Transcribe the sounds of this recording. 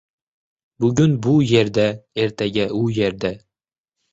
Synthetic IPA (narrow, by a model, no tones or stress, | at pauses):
bʉɡʲɵnbujeɾd̪æeɾt̪æɡʲæujeɾd̪æ